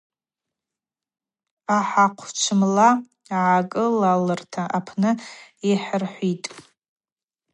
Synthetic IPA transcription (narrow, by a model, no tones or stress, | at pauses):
aħaqʷʰt͡ʃʷʰɨmla | ʕakʼɨlalɨrtʰaʔapʰnɨeħərħʷitʼ